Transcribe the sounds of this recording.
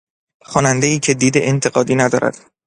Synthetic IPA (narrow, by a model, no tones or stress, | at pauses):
xɒːnænd̪eiːcʰed̪iːd̪eʔent̪ʰe̞ɢɒːd̪iːnæd̪ɒ̰ːɾæ̰d̪̥